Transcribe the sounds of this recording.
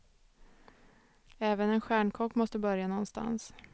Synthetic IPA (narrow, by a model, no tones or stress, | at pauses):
ɛːvənɛnɧæːɳkʰɔkːmɔst̪əbœɾjanɔnːst̪a̰ns